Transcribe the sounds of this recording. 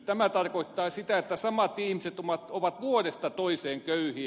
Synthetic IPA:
t̪æmæt̪ɑrkoit̪ːɑːsit̪æet̪ːæsɑmɑt̪ihmiset̪omɑt̪oʋɑt̪ʋuorest̪ɑt̪oiseːŋkøyhi

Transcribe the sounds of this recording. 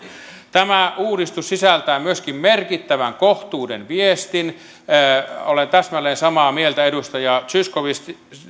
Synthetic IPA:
t̪æmæuːdist̪ussisælt̪æːmmyøskimmerkit̪ːæʋæŋkoht̪uːdḛnʋiest̪inː | olent̪æsmælːˑeːnsɑmɑːmielt̪æedust̪ɑjɑt͡ʃyskoʋist̪

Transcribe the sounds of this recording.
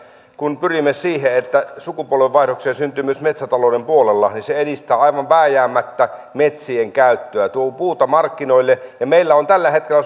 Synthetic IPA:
kunpyrimːesiːheet̪ːæsukupuolʋeʋʋɑˑihrokseːnsynt̪ˑyːmyøsmet̪sæt̪ɑloˑːdempuolelːɑ̰niseedist̪æːɑiʋɑʋʋæːjæːmːæt̪ːæmet̪sieŋkæˑyt̪ːøæt̪uopuːt̪ɑmɑrkːinoilːejɑmeilːæont̪ælːæhet̪̚kelːæ

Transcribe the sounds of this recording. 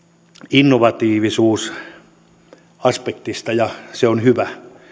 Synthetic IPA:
inːoʋɑt̪iːʋisuːs | ɑspekt̪ist̪ɑjɑseonhyʋæ

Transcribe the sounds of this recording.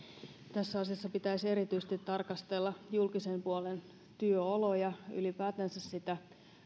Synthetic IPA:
t̪æsːæɑsiɑsːɑpit̪æise̞ɾit̪yse̥t̪it̪ːɑrkɑst̪e̞lːɑjulkise̞mpuo̞len | t̪yøolo̞jɑy̰lipæːt̪ænsæssit̪æ

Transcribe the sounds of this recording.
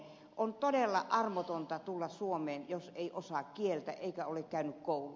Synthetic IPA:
ʔont̪odelːɑʔɑrmot̪ont̪ɑt̪ulːɑssuomeːnjoseˑiʔosɑˑkkielt̪æ̰ʔeˑikæolekkæˑynykkoˑulu

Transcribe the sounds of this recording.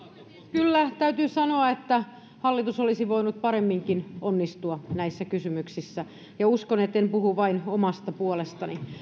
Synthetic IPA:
kylːæt̪æyt̪yːsɑnoɑet̪ːæ | hɑlːit̪usolisiʋoinut̪̚pɑɾemːiŋkinonːist̪uɑnæisːækysymyksisːæ | jɑuskonet̪ːempuhuʋɑinomɑst̪ɑpuolest̪ɑni

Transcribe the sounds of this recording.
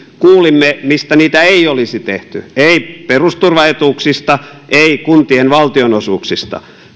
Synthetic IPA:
kuːlimːemist̪æniːt̪æeiolisit̪eht̪y̰eiperust̪urʋɑhet̪uːksist̪ɑʔeikunt̪ienʋɑlt̪ionosuːksist̪ɑ̰

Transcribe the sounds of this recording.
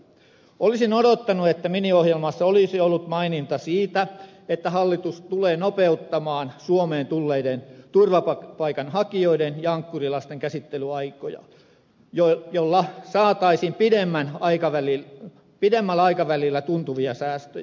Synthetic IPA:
olisinodot̪ːɑnuet̪ːæminiohjelmɑsːɑolisiolːut̪mɑinint̪ɑsiːt̪æet̪ːæhɑlːit̪ust̪uleːnopeut̪ːɑmɑːnsuomeːnt̪ulːeident̪urʋɑpɑpɑikɑnhɑkioidenjɑɑŋkːurilɑst̪eŋkæsit̪ːelyɑikojɑ̰ | jojolːɑsɑːt̪ɑisimpidemːænɑikɑʋæli | pidemːælːɑikɑʋælilːæt̪unt̪uʋiɑsæːst̪ø̰j

